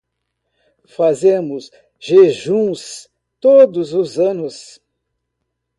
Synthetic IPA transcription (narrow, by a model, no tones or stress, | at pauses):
fazẽmʊs | ʒeʒũs | t̪od̪ʊzʊzɐ̃nʊs